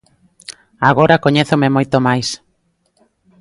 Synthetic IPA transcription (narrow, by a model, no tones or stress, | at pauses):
aɣ̞oɾakoɲeθomemojt̪omajs